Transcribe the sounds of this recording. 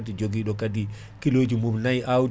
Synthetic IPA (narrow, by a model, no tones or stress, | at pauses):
tid͡ʒoɡiɗɔkadi | kilod͡ʒimubnajʔaw